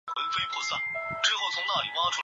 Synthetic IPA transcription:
kə˧˥nfe˥ɪpʰɔ˥˧sa˥˩nʈ͡ʂɻ̩˥xo˥˩ʊt͡sʰʊ˧˥ŋna˥˩li˨˩wa˥ʈ͡ʂʰu˥

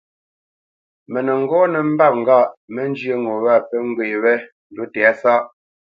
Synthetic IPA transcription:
mɛ˨nə˨ŋ̩˦ɡɔː˦nə˨m̩˦ba˦˨p̚ŋ̩˨ɡa˦˨ʔmə˦n˦d͡ʒjə˦ŋo˨ɣa˦˨pɛ˦ŋ˦ɡwe˨wɛ˦ | n̩˨do˨˦tɛ˨a˦sa˦ʔ

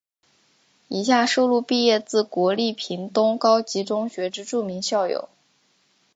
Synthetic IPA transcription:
i˨˩ɕ̬ja˥˩ʂo˥˧ʊlu˥˧pi˥˧jɛ˥˧t͡sɹ̩˥˩kwɔ˧˥li˥˩pʰi˧˥nt̪ʊ˥ŋkɑ˥ʊt͡ɕi˧˥ʈ͡ʂʊ˥ŋɕɥɛ˧˥ʈ͡ʂɻ̩˥ʈ͡ʂu˥˩mi˧˥ŋɕjɑ˥˩ʊjo̰˨˩˦ʊ

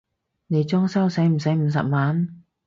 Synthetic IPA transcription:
ne˨˧jt͡sɔː˥ŋsɐ˥wsɐ˨˥jm̩˨˩sɐ˨˥jm̩˨˩s̬ɐ̰˨p̚maː˨˥n

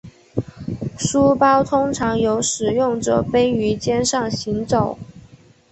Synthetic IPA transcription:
ʂu˥pɑ˥ʊt̪ʰʊ˥ŋʈ͡ʂʰɑ˧˥ŋjo˧˥ʊʂɻ̩˨˩jʊ˥˩ŋʈ͡ʂɤ̰˨˩fe˥ɪy˧˥t͡ɕjɛ˥nʂɑ˥˩ŋɕi˧˥ŋt͡so˨˩˦ʊ

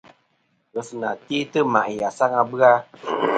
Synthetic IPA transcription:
ɣə˧˨sɨ˨na˨ti˦tɨ˦ma̰˨ʔi˨a˨sa˦ŋa˧bɨ˦a˧

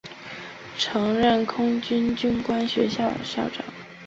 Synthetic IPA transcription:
ʈ͡ʂʰɤ˧˥ŋɻə˥˩nkʰʊ˥ŋt͡ɕy˥nt͡ɕy˥nkwa˥nɕɥɛ̰˧˥ɕjɑ˥˩ʊɕjɑ˥˩ʊʈ͡ʂɑ̰˨˩˦ŋ

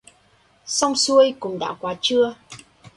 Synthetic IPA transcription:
sɔ˧wŋ͡msu˧əjkʊ˨˩ŋ͡mɗa̰ː˧˨˩wkwaː˨˦t͡ɕɨ˧ə

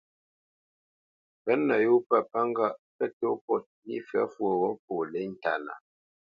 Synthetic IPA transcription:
pɛ˨˦nːə˨ju˦pə˦˨pa˦ŋ˦ɡa˦˨ʔpɛ˦to˦pɔ˦˨t̚i˦fɛ̰˨˦fwə˨wɔ˦po˨le˦n̩˨ta̰˨na̰˨

